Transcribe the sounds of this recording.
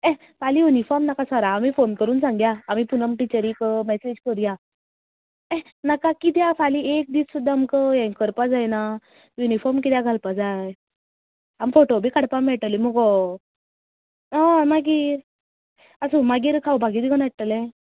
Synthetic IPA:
ɛ̃ | falijunifɔɾmnakãsaɾaːmifonkəɾuːnsãŋɡjaːmipunəmʈit͡ɕəɾikəmɛsed͡ʑkəɾja | ɛ̃ | nakakit̪jãfʰaliek̚d̪iːssud̪ʱːamkəjãŋkəɾpad͡zajna | junifɔɾmkit̪jãɡʱalpad͡zaj | amfoʈobʱiːkaɽpamɛɭʈ̪əliməɡɔ | amaɡiːɾ | əsumaɡiːɾkʰawbʱaɡiːd̪iɡənaʈ̚t̪əlɛ̃

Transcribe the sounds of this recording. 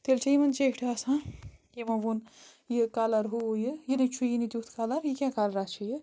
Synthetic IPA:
t̪elt͡ʃʰijimɐnd͡ʒekʰʈʰasãjimɐbun | jɨkalɐɾɦujɨjinɐt͡ʃʰujinid̪ʲjut̪ʰkalɐɾjikʲãkalɐɾat͡ʃʰiji

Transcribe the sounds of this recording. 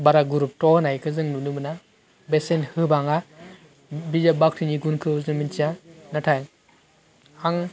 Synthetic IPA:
baɾaɡuɾup̚tɔhnajkʰɯzɯŋnunɯmɯna | besenhɯbaŋa | bizabak̚tʰɯniɡunkʰɯuzɯmint͡ʃianatʰajŋ | aŋ

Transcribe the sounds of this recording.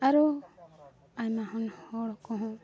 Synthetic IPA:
aɾu | ajmaɦɔnhɔɽɔkɔɦɔ̃

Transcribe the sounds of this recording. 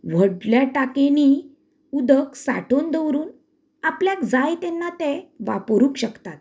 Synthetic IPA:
ʋ̤əɽljaʈakeni | ud̪əksa̰ʈond̪əwɾuːn | apljakd͡zajt̪ɛnːat̪ẽʋa̰pəɾuːkɕəkt̪at̪̚

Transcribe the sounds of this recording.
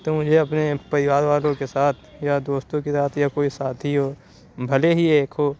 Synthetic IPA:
t̪omʊd͡ʒʱeɐpnepɐɾɪwaːɾʋaːlõkesaːt̪ʰjad̪oːst̪õkesaːt̪ʰjakoːisaːt̪ʰiɦɔ | bʱɐleɦieːkʰɦo

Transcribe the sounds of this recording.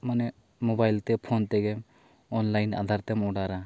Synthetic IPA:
manɛ | mobajlt̪ɛpʰont̪ɛɡɛm | ɔnlajna̰d̪ʱaɾt̪ɛmɔɽaɾa

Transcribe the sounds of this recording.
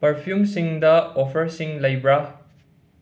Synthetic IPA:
pəɾfʰjumsĩŋd̪ɐɔfəɾsĩŋlajbɾa

